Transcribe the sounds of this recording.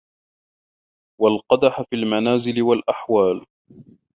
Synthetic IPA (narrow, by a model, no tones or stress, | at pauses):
walqɑd̪aħafiːlmanaːzɪlɪwalʔaħwaːl